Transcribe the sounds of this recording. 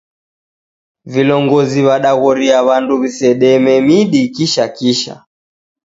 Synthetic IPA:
vilɔŋɡɔziβaɗaɣɔɾiaβanduβisɛɗɛmɛmiɗikiʃakiʃa̰

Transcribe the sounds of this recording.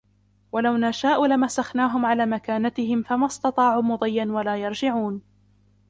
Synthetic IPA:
walawnaʃaːʔʊlamasaxnaːɦʊmʕalaːmakaːnat̪ɪhɪmfamast̪ɑt̪ˤɑːʕuːmʊd̪ˤɨjːanwalaːjɑɾˤd͡ʒɪʕuːn

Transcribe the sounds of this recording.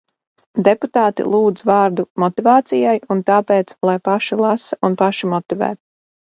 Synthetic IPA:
d̪eput̪aːt̪ḭlˠuːd̪zvɑːɾd̪umɔt̪ivaːt̪sijajunt̪aːpeːt̪slˠajpaʃilˠasaunpaʃimɔt̪ivæ̰ːt̪

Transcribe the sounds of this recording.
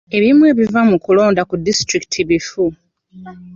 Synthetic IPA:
e̞βimwe̞ːβivamukulo̞ːndakudistɾiki̥tʰiβifu

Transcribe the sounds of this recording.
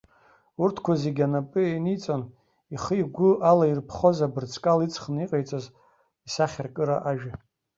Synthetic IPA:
urtʰkʷʰazeɡʲanapʼɨenit͡sʼon | iχəiɡʷʊʔalairpʰχo̞zabɨrt͡sʰkʼalit͡sʰʼχniqʼejt͡sʼaz | isaχʲarkʼɨɾa̰ʔaʒᶣa

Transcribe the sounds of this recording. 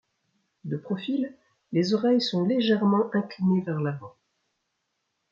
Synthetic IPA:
d̪əpχɔfil | lezɔʁɛjsɔ̃leʒɛʁmɑ̃ʔɛ̃klinevɛʁlavɑ̃

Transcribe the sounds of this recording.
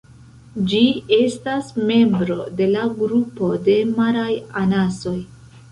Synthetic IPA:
d͡ʒie̞stasme̞mbɾo̞de̞laɡɾupo̞de̞maɾajanaso̞j

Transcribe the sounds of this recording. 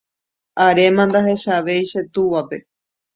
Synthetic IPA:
aɾe̞mãnd̪aɦe̞ʃaʋe̞jʃe̞t̪uʋape̞

